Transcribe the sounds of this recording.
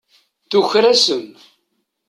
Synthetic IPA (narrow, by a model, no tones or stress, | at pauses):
θuçɾæsən